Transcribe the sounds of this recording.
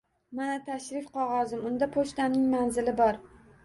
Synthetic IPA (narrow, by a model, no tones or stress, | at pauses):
manat̪ʰaʃɾɪfqʰɒʁɒzɪmʊnd̪apʰoʃt̪amnɪŋmanzɪlɪbɒɾ